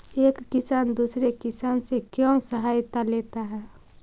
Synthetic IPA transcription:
eːkːisand̪usɾekisansekjɔ̃səɦajt̪alet̪aɦɛː

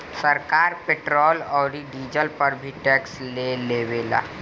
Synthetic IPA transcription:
səɾkaːɾpeːʈɾɔːlɔːɾiɖiːd͡ʒəlpɐɾbʱiʈɛːksleleːʋeːla̰ː

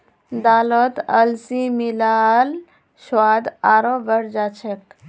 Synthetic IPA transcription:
d̪aːlɔt̪ɐlsimilaːl | ʃwaːd̪aːɾobəɾd͡ʒaːt͡ʃʰek

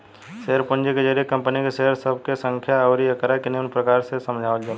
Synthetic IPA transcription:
ʃeɦəɾpʊ̃nd͡ʒeked͡ʒəɾijekə̃mpənikeʃeɦəɾsəb̚ʱkesə̃ŋkʰjaɔːɾiəkəɾakineʊnpɾəkaːɾsesəmd͡ʒʱaːʋəld͡ʒa

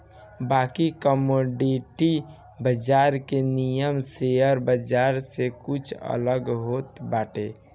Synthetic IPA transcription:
baːkikəmoɖiʈi | bəd͡ʒaɾkenijəmsejəɾbəd͡ʒaɾsekʊt͡ʃʰə̰ləɡɦot̪baːʈe

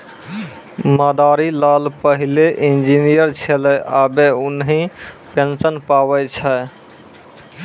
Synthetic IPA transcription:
məd̪aɾilalpəɦileʔind͡ʒinijəɾt͡ʃʰelɛʔabeunɦĩpensənpabɛt͡ʃʰɛ

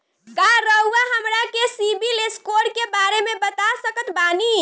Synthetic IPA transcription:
ɡaɾəuaɦəmɾakesibileskoɾkebaɾemebət̪asəkət̪bani

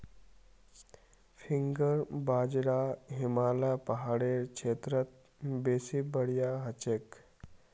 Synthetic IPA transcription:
fʰiŋɡəɾbaːd͡ʒɽaɦimaːlapɐɦaːɽeːɾkʰeːt̪ɾət̪̚ | beːsibəɽijaɦət͡ʃek

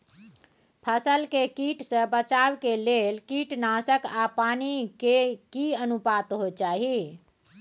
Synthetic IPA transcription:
pʰəsəlkekiʈsə̃bət͡ʃawkelelkiʈnasəkapanikekiənupat̪ɦot͡ʃaɦi

